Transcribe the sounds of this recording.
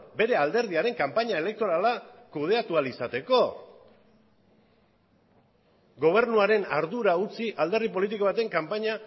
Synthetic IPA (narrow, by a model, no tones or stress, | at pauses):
be̞ɾe̞ald̪e̞ɾð̞iaɾe̞ŋkampaɲae̞le̞k̚t̪o̞ɾalakuð̞e̞at̪ualisat̪e̞ko̞ | ɡo̞β̞e̞ɾnuaɾe̞naɾðuɾaut͡siʔald̪e̞ripo̞lit̪̬iko̞βat̪e̞ŋkampaɲa